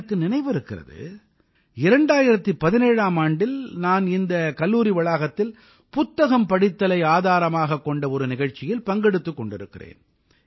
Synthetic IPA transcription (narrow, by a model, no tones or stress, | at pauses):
ɐkːɯnɪnɐɪʋɯɾɯkːɪrɐ̰ðɯ̰ | ɪɾɐɳɖaːjɪɾɐt̪ːɯpɐðɪneːɻaːmaːɳɖɪlnaːnɪnd̪ɐkɐlːuːɾɪʋɐɭaːɣɐt̪ːɪl | pʊt̪ːɐɣɐmpɐɽɪt̪ːɐlɐɪaːðaːɾɐmaːɣɐkːɔɳɖɐɔɾɯnɪɣɐɻt͡ʃːɪjɪlpɐŋɡɛɽɯt̪ːɯkːɔɳɖɪɾɯkːɪ̰rḛːn